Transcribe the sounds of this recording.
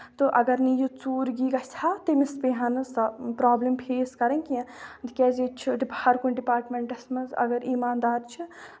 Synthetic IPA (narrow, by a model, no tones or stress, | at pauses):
t̪ɨʔɐɡɐɾnijut͡suːɾɡiːɡat͡ʃʲʰat̪emispeɦɐnɨsɐpɾaːblimpʰeːskɐɾɐnʲkiɐ̃d̪ikʲɛːzet͡ʃʰiɖiphaɾkunɖipaːɾʈmʲeɳʈɐsmɐzɐ̰ɡɐɾiːmaːnd̪aːɾt͡ʃʰi